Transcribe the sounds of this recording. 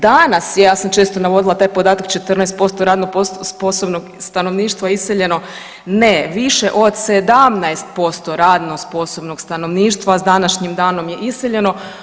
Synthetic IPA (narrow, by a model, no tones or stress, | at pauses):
d̪anasjejaːsamt͡ʃe̞ːst̪o̞naʋo̞d̪ilˠat̪aːjpod̪aːt̪akt͡ʃe̞t̪r̩naest̪̚po̞st̪o̞ɾaːd̪nopoospo̞sobnoɡst̪ano̞ʋniːʃt̪ʋaiseʎe̞no̞ | neʋiʃe̞ʔo̞d̪sed̪amnaest̪̚po̞st̪o̞ɾaːd̪nospo̞so̞bnoɡst̪ano̞ʋniːʃt̪ʋazd̪anaʃɲimd̪aːno̞mjeʔiseʎe̞no̞